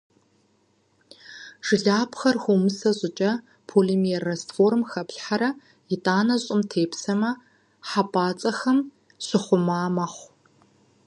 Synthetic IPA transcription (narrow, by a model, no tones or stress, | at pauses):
ʒ̥ɨɮaːpxɐrxʷumɨsɐʑʼɪt͡ʃʼɐ | pʰolemɛrɐstformxɐpɬħaɾɐ | jɪtʼaːnɐɕʼɪmtʰeːpsɐmɐ | ħapʼaːt͡sʼɐxɐm | sɪχʷʊmaːmɐχʷ